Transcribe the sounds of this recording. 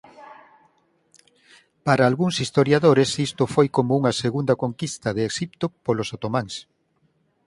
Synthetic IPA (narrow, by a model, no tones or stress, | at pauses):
paɾaːlɣuŋsist̪oɾjaðoɾesist̪ʊfojkomouŋɐseɣund̪ɐkoŋkist̪ɐðeːʃip̚t̪opolosot̪omaŋs